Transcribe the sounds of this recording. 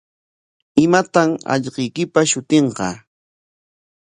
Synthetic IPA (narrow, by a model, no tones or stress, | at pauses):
ɪmat̪amɑ̰ʎqɪjkɪpaʃʊt̪eɴqɑ̰